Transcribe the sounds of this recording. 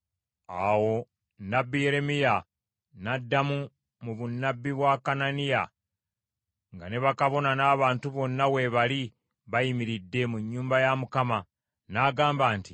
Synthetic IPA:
awo̞ | nːabːije̞ɾe̞mija | nadːamu | muβunːabːiβwakananija | ŋɡa̰ne̞βakaβo̞nanaːβaːntuβo̞nːawe̞βali | βajimiɾidːe̞muɲːuːmbajamukama | naːɡaːmbaːnti

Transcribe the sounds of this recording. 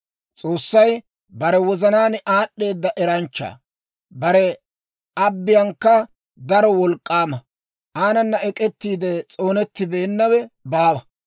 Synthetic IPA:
t͡sʼo̞ːsːɐj | bɐɾɛwɔzɐnaːnʔaːɗːe̞ːd̪ːɐʔɛɾɐnt͡ʃːa̰ː | bɐɾɛ | ɐbːɪjɐŋkːɐ | d̪ɐɾɔwɔlkʼːaːmɐ | ʔaːnɐnːɐɛkʼɛt̪ːiːd̪ɛt͡sʼo̞ːnɛt̪ːɪbe̞ːnːɐwɛbaːwɐ

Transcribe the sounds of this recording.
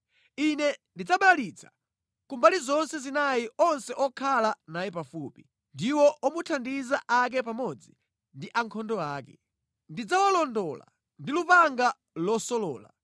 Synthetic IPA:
inɛndid͡zaɓaalit͡sʰḁ | kumbalizɔnsɛzinajiʔɔnsɛʔɔkʰalanajɛpafupi | ndiwɔʔɔmutʰandizaʔak̬ɛpamɔd͡zi | ndiʔaŋkʰɔndɔaːkɛ̰ | ndid͡zawalɔndɔːla̰ | ndilupaŋɡa | lɔsɔlɔ̰ːla̰

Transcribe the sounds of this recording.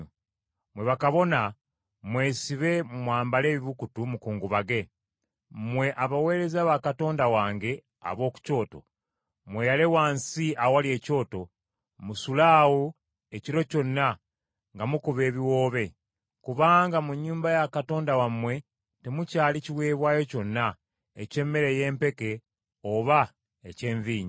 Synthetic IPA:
mwe̞βakaβo̞na | mwe̞ːsiβe̞mwaːmbale̞ːβiβukutumukuːŋɡuβaɡe̞ | mwe̞ʔaβawe̞ːɾe̞zaβakato̞ːndawaːŋɡe̞ | a̰βo̞ːku̥co̞ːto̞̰ | mwe̞jalewaːnsiawalie̞ːco̞ːto̞ | musulaːwu | e̞ciɾo̞co̞nːa | ŋɡamukuβe̞ːβiwo̞ːβe̞ | kuβaːŋɡamuɲːuːmbajakato̞ːndawamːwe̞ | te̞mucaːliciwe̞ːβwaːjo̞co̞nːa | ece̞mːe̞ɾe̞je̞ːmpe̞ke̞ | oβa | ece̞ːɱviːɲi

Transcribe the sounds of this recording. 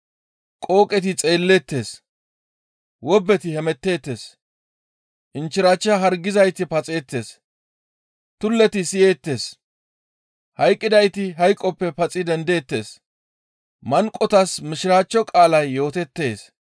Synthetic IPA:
kʼo̞ːkʼɛt̪ɪt͡sʼe̞ːlːet̪ːe̞ːs | wɔbːɛt̪ɪhɛmɛt̪ːe̞ːt̪ːe̞ːs | ʔɪnt͡ʃːɪɾaːt͡ʃːɐɦɐɾɡɪzɐjt̪ɪpɐt͡sʼe̞ːt̪ːe̞̰ːs | t̪ʊlːɛt̪ɪsɪjeːt̪ːe̞ːs | hɐjkʼːɪd̪ɐjt̪ɪɦɐjkʼːɔpːɛpɐt͡sʼɪd̪ɛnd̪e̞ːt̪ːeːs | mɐŋkʼːɔt̪ɐsmɪʃɪɾaːt͡ʃːɔkʼaːlɐjːo̞ːt̪ɛt̪ːe̞ːs

